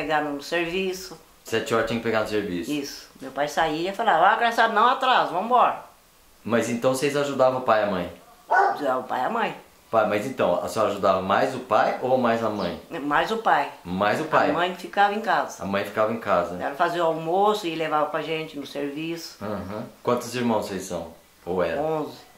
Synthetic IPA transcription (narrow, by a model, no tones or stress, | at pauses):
peɡanʊnʊseɾvisʊ | sɛt͡ʃɪɔɾɐt͡ʃ̪ĩɐkɪpeɡanʊseɾvisʊisʊ̥mewpajsaiɐifalavakɛsabɪnɐ̃w̃at̪ɾazvɐ̃mʊbɔɾɐ | mɐzẽnt̪ɐ̃w̃sejzaʒud̪avɐ̃ʊpajɐmɐ̃j̃ | aʊpa̰jɐmɐ̃j̃ | pajmɐzẽt̪ɐ̃w̃ɐ̰sɔaʒud̪avɐmajzʊpajowɐmajzɐmɐ̰̃j̃majzʊpajmajzʊpajmɐ̃j̃fikavɐẽkazɐɐ̰mɐ̃j̃fi̥kavɐẽkazɐɛ̰ɾɐfaziwawmosʊɪlevavɐpɾaʒẽnt͡ʃɪnʊseɾvisʊ̥ɐ̃ɦɐ̃kwɐ̃nt̪ʊziɾmɐ̃w̃sejssɐ̰̃w̃ | owɛ̰ɾɐõzɪ